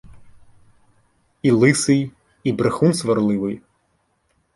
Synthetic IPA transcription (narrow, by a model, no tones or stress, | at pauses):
ilˠɪsɪj | ibɾexunsʋɐrlˠɪʋɪj